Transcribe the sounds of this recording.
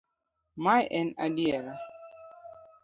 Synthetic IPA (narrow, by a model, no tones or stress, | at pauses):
majʔɛnadiɛɾa